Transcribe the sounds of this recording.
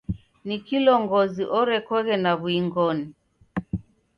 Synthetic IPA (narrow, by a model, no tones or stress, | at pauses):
nikilɔŋɡɔziʔɔɾɛkɔɣɛnaβuiŋɡɔni